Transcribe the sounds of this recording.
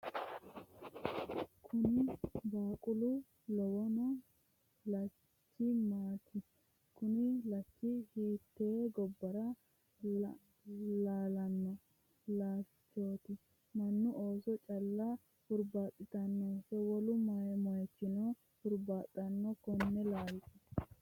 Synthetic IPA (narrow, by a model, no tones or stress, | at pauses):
kʰʊnɪbaːkʼʊlʊ | lɔwɔnɔ | lɐ | t͡ʃːɪmaːt̪ʰɪ | kʊnɪlɐt͡ʃːɪhiːt̪ːeːɡɔbːɐɾɐ | laːlɐnːɔ | laː | t͡ʃːo̞ːt̪ɪ | mɐnːʊoːsɔt͡ʃʼɐlːɐ | hʊɾbaːt̪ʼːɪt̪ɐnːɔfɛwɔlʊmɔjɛmɔjɛt͡ʃːɪnɔ | hʊɾbaːt̪ʼːɐnːɔkɔnːɛlaːlɪt̪ɪ